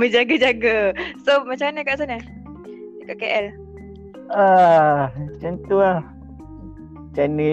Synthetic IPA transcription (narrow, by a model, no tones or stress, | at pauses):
məd͡ʒaɡad͡ʒaɡasomat͡ʃamanəkaʔsana | kaʔkeʔɛl | a | t͡ʃənt̪ua | t͡ʃani